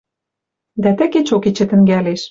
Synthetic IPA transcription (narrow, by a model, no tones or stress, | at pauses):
d̪æt̪ɘ̆ket͡ɕoket͡ɕɘ̆t̪ɘ̆ŋɡæleʃ